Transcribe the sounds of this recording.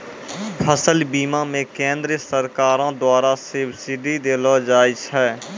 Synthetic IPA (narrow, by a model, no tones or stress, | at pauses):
pʰəsəlbiːmãːmẽːkẽːnd̪ɾsəɾkaːɾãːd̪waːɾaːsebsɪɖiːd̪eːlɔːd͡ʒaːɪt͡ʃɦɛː